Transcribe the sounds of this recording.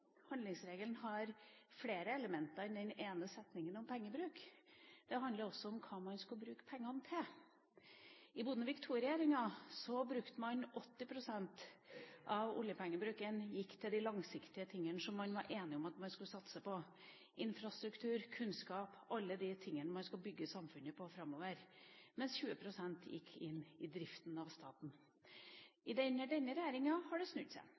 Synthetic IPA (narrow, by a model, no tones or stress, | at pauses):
hɑnd̪ɪŋsɾeːɡəlnɦɑɾfleːɾəɛləmɛnt̪ɑɾɪnd̪ɛneːnəsɛt̪nɪŋənɔmpʰɛŋːəbɾʉːkd̪̥ɛɦɑnd̪ləɾɔsːɔɔmkʰɑːmɑnskʉləbɾʉːkə̥pʰɛŋːɑnt̪ʰɪl | ɪbuːd̪nəʋɪkt̪ʰuːɾɪeːɾɪŋɑsɔbɾʉkt̪əmɑnʔɔt̪ːɪpʰɾʊsɛnt̪ʔɑʋʊ̰ljəpʰɛŋːəbɾʉːkənjɪkːt̪ʰɪld̪ɪlɑŋsɪkt̪ɪət̪ʰɪŋːənəʂɔmːɑnʋɑɾʔeːnɪɔmɑt̪mɑnskʉlsɑt̪səpʰɔ | ʔɪnfɾɑst̪ɾʉkt̪ʰʉːɾkʰʉnskɑːpʔɑlːəd̪ɪt̪ʰɪŋːənəmɑnskʉlbʏɡːəsɑmfʉnəpʰɔfɾɑmːoːʋəɾmɛnsçʉːəpʰɾʊsɛnt̪ʰjɪ̰kʰːɪnːɪd̪ɾɪft̪nɑʋst̪ɑːt̪n̩ | ɪd̪ɛnːəɖɛnːəɾɛjeːɾɪŋɑhɑɖɛsnʉt̪sæ̰ɪ